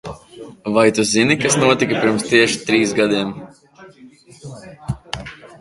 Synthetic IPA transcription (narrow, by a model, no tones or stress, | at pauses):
vajt̪uzinikasnuɔt̪ikapʲiɾmst̪iɛʃi̥t̪ɾiːsɡad̪iɛm